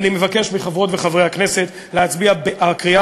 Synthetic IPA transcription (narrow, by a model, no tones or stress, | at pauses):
nimevake̞ʃmiχavʁo̞tveχavʁejhakne̞set̪ | leat͡sbiabeʔakʁia